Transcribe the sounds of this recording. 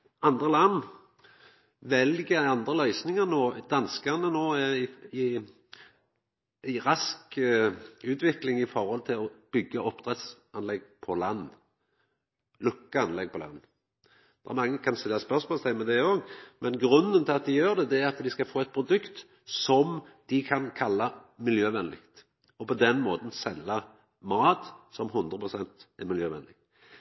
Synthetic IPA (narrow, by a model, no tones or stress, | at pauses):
ɑnd̪ʁəlɑnː | ʋɛlɡəɑnd̪ʁəlœʏsnɪŋənoːd̪̥ɑnskənənoːæɪɪ | æɪʁɑsk | ʉːt̪ʰʋɪklɪŋɪfɔɾhɔlt̪ʰɪlɔb̥ʏɡːəʔɔpd̪̥ʁɛt̪s | ɑnlɛɡ̚pʰɔlɑnː | lʉkːəɑnlɛɡ̚pʰɔlɑ̰nː | d̪ɛɛ̰ɾmɑŋːəkʰɑnst̪ɪlːɑspœʁsmɔːlsæɪmɛd̪ɛɪoːɡmɛnɡɾʉnːənt̪ʰɪlɑt̪̚d̪ɪjøːɾd̪ɛd̪ɛæɾɑt̪d̪ɪskɑlfoːɛt̪̚pʰɾʊd̪ʉkt̪ | sɔmd̪̥ɪkʰɑnkʰɑlːɑmɪljøːʋɛnlɪkt̪ | ɔpʰɔd̪ɛnmoːt̪n̩sɛlːɑ | mɑːt̪sɔmɦʉnd̪ɾʁəpʰʁʊsɛnt̪ɛmɪljøːʋɛnlɪ